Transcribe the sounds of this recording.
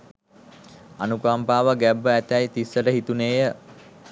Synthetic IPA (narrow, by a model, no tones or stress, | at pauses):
anukaːmpaːʋəɡæbːəæt̪ɛjt̪isːəʈəɦit̪uneːjə